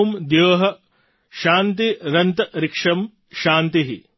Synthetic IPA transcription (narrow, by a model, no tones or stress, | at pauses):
md̪joːɦɐ | ʃaːnt̪iɾɐnt̪ɐɾɪkʂɐm | ʃaːnt̪iɦi